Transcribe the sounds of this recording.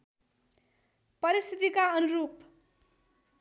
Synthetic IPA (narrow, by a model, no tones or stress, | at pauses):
pʌɾist̪ʰit̪ikaʌnuɾup